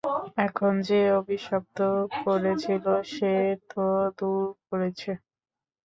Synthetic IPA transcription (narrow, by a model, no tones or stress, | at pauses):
ɛkʰond͡ʑeobʱiʃɔb̚t̪okoɾet͡ɕʰiloʃet̪od̪uɾk̚oɾet͡ɕʰe